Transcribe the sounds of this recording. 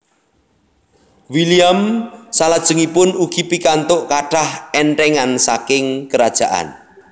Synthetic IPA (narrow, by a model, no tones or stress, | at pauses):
wiliamsalad̥ʒ̥əŋipʊnuɡ̥ipikant̪ʊʔkaɖ̥ahɛɳʈɛŋansakɪŋkəɾad̥ʒ̥a̤ʔa̰n